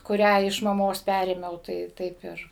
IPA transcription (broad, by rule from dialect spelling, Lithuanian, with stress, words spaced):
kʊˈrʲæː ɪʃ mɐˈmoːs ˈpʲærʲeːmʲɛʊ tɐɪ ˈtɐɪp ɪr